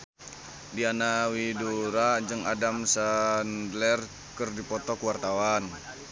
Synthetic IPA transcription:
dianawiduɾad͡ʒɨŋadamsandlɛr | kərdipɔt̪ɔkuwart̪awan

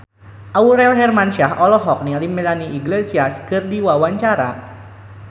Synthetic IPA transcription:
ʔauɾɛlɦɛrmanʃaɦɔlɔɦɔk̚nilimelaniʔiɡlesiaskɨrdiwawaɲt͡ʃaɾa̰

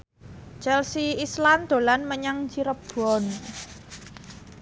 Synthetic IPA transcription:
t͡ʃɛlsiisland̪̥o̤lanməɲaŋt͡ʃiɾəb̥ɔn

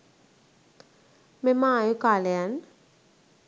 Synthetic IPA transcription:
memajukalɛn

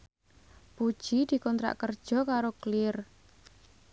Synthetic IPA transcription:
pud̥ʒ̥id̪̥i̤kɔnt̪ɾa̰ʔkərd̥ʒ̥ɔ̤kaɾoklɪr

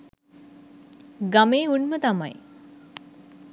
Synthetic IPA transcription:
ɡameːunmət̪amaj

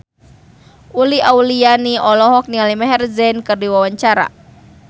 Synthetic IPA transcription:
ʔuliʔawlianiʔɔlɔɦɔk̚nialimɛɦɛrzɛnkɨrdiwawaɲt͡ʃaɾa̰

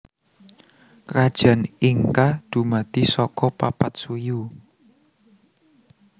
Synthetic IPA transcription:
rad̥ʒ̥ä̤niŋkad̪̥ṳmat̪isɔkɔpapat̪̚suju

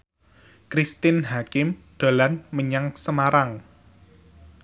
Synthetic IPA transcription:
kɾist̪ɪnɦakɪmd̪̥a̤lanməɲaŋsəmaɾaŋ

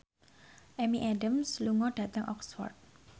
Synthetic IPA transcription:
ʔɛmiʔaɖəmsluŋɔɖ̥ä̤t̪əŋʔɔksfɔ̰rd̚

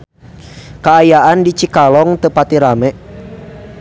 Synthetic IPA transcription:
kaːjaʔandit͡ʃikalɔŋt̪əpat̪iɾamɛ

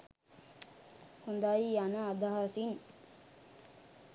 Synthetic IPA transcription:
hund̪ajianəad̪aɦasin

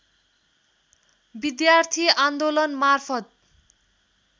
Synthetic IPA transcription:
bid̪jart̪ʰiand̪olʌnmarpʰʌt̪̚

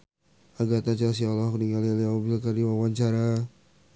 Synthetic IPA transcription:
aɡat̪at͡ʃas̬ialɔkdiŋalialiaobilkardiwawaɲt͡ʃaɾa

